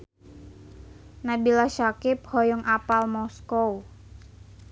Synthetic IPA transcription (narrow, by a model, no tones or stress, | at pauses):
nabilaʃakɪp̚hɔjɔŋʔapalmɔskow